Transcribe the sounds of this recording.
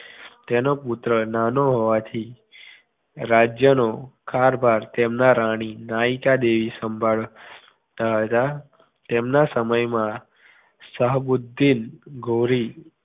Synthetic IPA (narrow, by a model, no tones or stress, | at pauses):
t̪enoput̪ɾənanoɦoʋat̪ʰi | ɾad͡ʒjənokʰaɾbʱaɾt̪emnaɾaɽ̃inaikad̪eʋisəmbʱaɭ | t̪aɦət̪a | t̪emnasəməjmã | səɦbud̪ʱːinɡʱoɾi